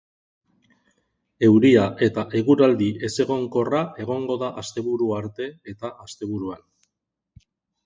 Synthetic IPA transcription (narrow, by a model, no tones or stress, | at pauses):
e̞wɾiaʔe̞t̪aʔe̞ɣuɾald̪iʔe̞se̞ɣ̞o̞ŋko̞rae̞ɣ̞o̞ŋɡo̞ðaʔast̪e̞βuɾuaɾt̪e̞et̪aast̪e̞β̞uɾuan